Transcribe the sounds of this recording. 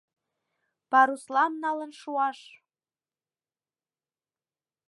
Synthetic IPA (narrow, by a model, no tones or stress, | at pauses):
pɑɾuslɑnːɑlə̆nʃuɑʃ